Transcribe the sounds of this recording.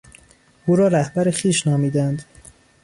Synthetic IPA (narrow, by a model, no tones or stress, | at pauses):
ʔuːɾɒːɾæhbæɾexiːʃnɒːmiːd̪ænd̪